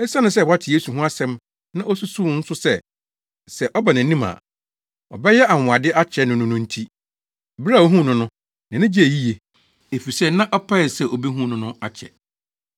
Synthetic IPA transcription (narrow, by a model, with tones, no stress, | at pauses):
ɛ˦sa˦nʊ̃˨sɛ˦˨wa˦tʰɪ˨je˦su˨ɦũ˦a˦sɛ̃˦m | nã˦ʔɔ˦su˦su˦n̩˦sʊ˦sɛ˦ | sɛ˨ʔɔ˦ba˨nã˨˦nĩ˦mã̰˨ | ɔ̰˨bɛ˦jɛ˦ʔa˨mʊ̃˨a˨dɪ˦ʔa˦t͡ɕʰɛ˦nʊ̃˦nʊ̃˦nʊ̃˦n̩˦tʰi˦˨ | bɾa˦˨o˦ɦũ˦˨nʊ̃˦nʊ̃˦ | nã˨nɪ̃˦d͡ʑi˦e˨ji˦je˨ | e˨fi˨sɛ˦˨nã˦ʔɔ˦pʰa˦ɛ˨sɛ˦ʔo˨bi˦ɦũ˦nʊ̃˦nʊ̃˦a˨t͡ɕʰɛ̰˨